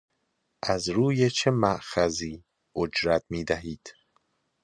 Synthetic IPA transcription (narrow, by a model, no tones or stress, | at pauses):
ʔæzɾuːjet͡ʃʰemæʔxæziː | od͡ʒɾæt̪ʰmiːd̪æɦiːd̪̥